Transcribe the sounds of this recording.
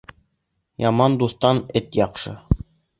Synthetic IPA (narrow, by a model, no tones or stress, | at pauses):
jɑmɑnd̪uθt̪ɑnɘt̪jɑqʃɤ̰